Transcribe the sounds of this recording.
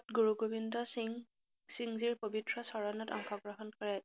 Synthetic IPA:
tɡuɹuɡobindɔsŋ | siŋziɹpobitɹɔsɔɹɔnɔtɔ̰ŋxɔɡɹɔɦɔnkɔɹɛt

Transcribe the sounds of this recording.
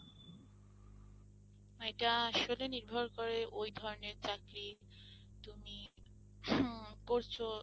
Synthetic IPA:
eʈaaʃoleniɾbʱoɾkoɾeʔojd̪ʱɔɾoneɾt͡ɕakɾi | t̪umi | koɾt͡ɕʰo

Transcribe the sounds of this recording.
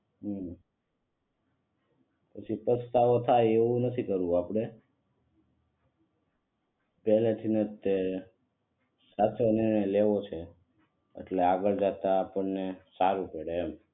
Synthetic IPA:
ɦ | pət͡ʃʰipəst̪aʋot̪ʰajeʋũnət̪ʰikəɾũapɽ̃e | pɛlet̪ʰinet̪e | sat̪ʰoniɳ̃eleʋot͡ʃʰe | ḛʈleaɡəɭd͡ʒat̪aːpəɳnesaɾupeɽeːm

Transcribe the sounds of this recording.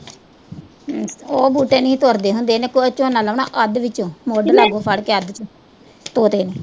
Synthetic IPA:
oːbuːʈeːnĩːt̪oɾd̪eːɦʊnd̪eːneːkoət͡ʃːõːnaːlaːna̰ːʔəd̪ʋɪt͡ʃõːmoːɖlːaːɡoːpʰəɽkeːəd̪ | t̪oːt̪eːneː

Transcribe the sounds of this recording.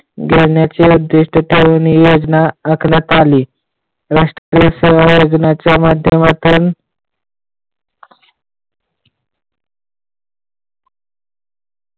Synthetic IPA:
ɡeɾɳjat͡ɕeud̪ːɪʂʈʰəʈʰeʋnijod͡znaəkʰnət̪ʰali | ɾaʂʈɾaəɾiseʋajod͡ʑnat͡ɕjamad̪ʱjəmat̪uːn

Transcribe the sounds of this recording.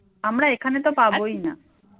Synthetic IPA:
amɾaekʰanet̪opabojna

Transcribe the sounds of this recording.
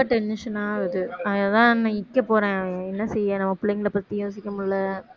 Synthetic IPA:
ɐʈɛnːɪʂɐnaːʋɐðɯɐðɐðãːnãɪkːɐpoːɾẽːɛnːɐsɛjːẽːnɐmːɐpʊɭɪŋɡɐlɐpɐt̪ːijoːs̬ɪkːɐmʊɭːɐ

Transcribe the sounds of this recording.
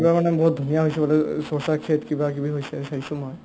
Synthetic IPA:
kibamanɛbɔɦut̪̚d̪ʱunijaɦojsɛbɔlɛsosakʰetkibakibʱiɦojsɛsaɦisumɔj

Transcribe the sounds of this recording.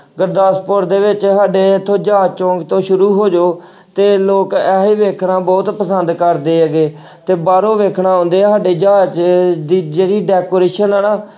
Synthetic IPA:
ɡəɾd̪aːspoɾd̪eːʋɪt͡ʃɦaːɖeːt̪ʰõːd͡ʒaːt͡ʃɔ̃ːŋɡt̪õːʃʊɾuːɦoːd͡ʒoː | t̪eːloːkɛɦeːʋeːkʰɳaːbɔːt̪pəsənd̪kəɾd̪eːɛɡeː | t̪eːbaːɾõːʋeːkʰɳãːɦõːnd̪eːɦaːɖeːd͡ʒaːt͡ʃd̪iːd͡ʒeːɾiːɖɛːkoːɾeːʃənəːnaː

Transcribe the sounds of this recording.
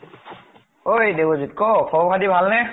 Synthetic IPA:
ojdewozit̚kɔkʰɔkʰadibʱalnɛ

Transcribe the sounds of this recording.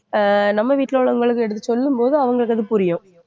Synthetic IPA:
nɐmːɐʋiːʈːɪloːɭɐŋɡɐɭɯkːɯɛɽɯt̪ːɯsɔlːɯmpoːðɯɐʋɐŋɡɐɭɯkːɐðɯpʊɾɪjʊ̃

